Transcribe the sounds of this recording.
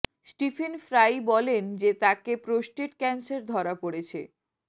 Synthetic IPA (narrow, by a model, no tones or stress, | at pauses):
sʈifʰenfɾajbɔlend͡ʑet̪akepɾosʈeʈkɛnseɾd̪ʱɔɾapoɽet͡ɕʰḛ